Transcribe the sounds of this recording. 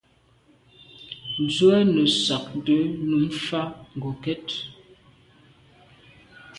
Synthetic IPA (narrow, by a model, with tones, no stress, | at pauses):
n̩˨zwɛ˦nə˨sa˨k̚də˨˦nu˨˦mfa˦ŋ̩˨ɡo˨kɛ˦t